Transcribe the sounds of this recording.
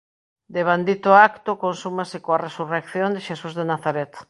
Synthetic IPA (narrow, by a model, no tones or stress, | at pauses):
d̪eβ̞and̪it̪oakt̪okonsumasekoaresurekθjõnd̪eʃesuzðenaθaɾet̪